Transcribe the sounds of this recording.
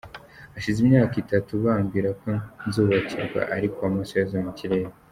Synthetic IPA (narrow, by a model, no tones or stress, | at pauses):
aʃizimɲaːkitatuβaːmɡiːɾako̞nzuːβacʰiɾɡwa̰ʔaɾikoamusojazomuciɾeːɾe